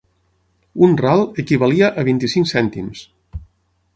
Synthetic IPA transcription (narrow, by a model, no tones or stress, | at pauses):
unralˠəkiβəliəʔəβint̪isiŋksɛnt̪ims